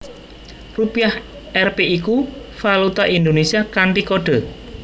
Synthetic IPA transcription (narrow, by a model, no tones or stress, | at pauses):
rupiah | ʔɛrpeikufalut̪aʔind̪onesiakaɳʈikoɖ̥ə̤